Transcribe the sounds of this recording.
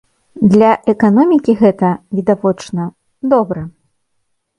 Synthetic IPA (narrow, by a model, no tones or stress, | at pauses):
d̪lʲɐʔɛkanɔmʲikʲiɣɛt̪ɐvʲid̪avɔt͡ʂnɐ | d̪ɔbɾɐ